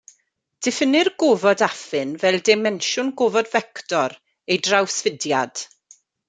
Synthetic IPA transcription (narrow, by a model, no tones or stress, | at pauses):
d̥ɪfənɪrɡovɔdafɨnvɛlˠdɪmɛnʃʊnɡoːvɔdvɛktɔɾ | ejdrawsvədjad̥